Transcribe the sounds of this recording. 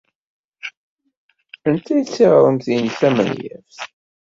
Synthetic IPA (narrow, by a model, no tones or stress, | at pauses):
ənt̪ʰæjt͡sːiʁɾˤənθinθæmə̰njæ̰fθ